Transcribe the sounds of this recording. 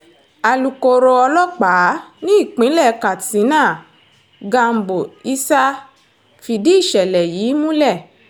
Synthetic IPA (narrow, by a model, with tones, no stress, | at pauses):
a˨lu˨ko˨ɾo˧ɔ˧lɔ˦k͡paː˨˦nĩ˦i˦˨k͡pĩ˨˦lɛ˦˨˦ka˨tĩ˨˦nãː˦˨ | ɡa˧m̩˨˦bo˨i˧˦sa˦ | fi˧di˦i˦˨ʃɛ˨lɛ˨jiː˨˦mũ˦lɛ˦˨